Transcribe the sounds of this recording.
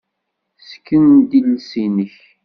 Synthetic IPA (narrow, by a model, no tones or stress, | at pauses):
sə̥kːənd̪ilsinəç